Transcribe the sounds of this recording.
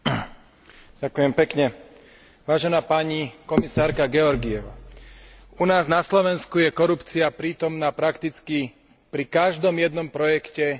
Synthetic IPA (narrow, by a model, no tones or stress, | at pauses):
ɟ̥akujɛmpɛkɲɛ | ʋaːʒɛnaːpaːɲikɔmisaːɾkaɡɛɔɾɡijɛʋa̰ː | unaːznaslɔʋɛnskujɛkɔɾupt͡siapɾiːt̪ɔmnaːpɾakt̪it͡ski | pɾikaʒd̪ɔmjɛd̪nɔmpɾɔjɛkcɛ